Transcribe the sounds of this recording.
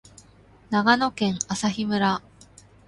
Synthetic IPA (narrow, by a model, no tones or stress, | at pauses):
naɡano̞kẽ̞ɴasaçimɯ̟ɾa